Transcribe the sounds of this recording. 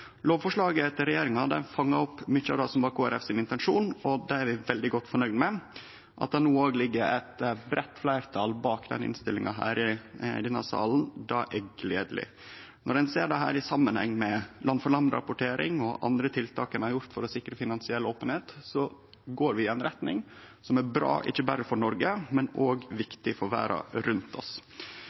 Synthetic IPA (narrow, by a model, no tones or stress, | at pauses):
loːʋfɔʂɭɑːɡəɛt̪ːəɾɛjeːɾɪŋɑd̪ɛ̰nfɑŋːɑɔpːmʏçːəɑ̰ʋd̪ɑsɔmʋɑːkʰoːæɾɛfsɪnɪnt̪əɛnʂuːnɔd̪ɛæɾʋɪʋɛld̪ɪɡɔt̪ːfɔɳœʏd̪mɛ | ʔɑ̰t̪̚d̪ɑnuːoːɡlɪɡːəɾɛ̰t̪bɾɛt̪ːflæɪɾt̪ʰɑːlbɑːkd̪ɛ̰nɪ̰nst̪ɪlːɪŋɑɦæ̰ːɾɪd̪ɛnɑ̰sɑ̰ːln̩d̪ɑʔɛɡleːd̪əlɪ̰ | nɔɾɛnseːɖɑɦæ̰ːɾɪsɑmːənhɛ̰ŋːmɛlɑnfɔɭɑnd̪əɾɑ̰pʊʈʰeːɾɪ̰ŋɔʔɑ̰nd̪ɾət̪ʰɪlt̪ʰɑːkɛnæɾjʊɾt̪fɔɾɔsɪkɾəfɪnɑnsɪɛlːoːpənheːt̪sɔ | ɡoːɾʋɪɛnɾɛt̪nɪ̰ŋsɔmæɾbɾɑ̰ːʔɪ̰çːəbæːɾəfɔɳɔɾɡəmɛnoːɡʋɪkt̪ɪfɔɾʋæ̰ːɾɑ̰ɾʉnt̪ʰɔ̰s